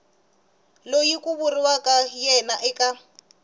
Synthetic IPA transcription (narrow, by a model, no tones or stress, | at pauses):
lojikʼʊbʊrɪwakʼajɛnaʔɪkʼa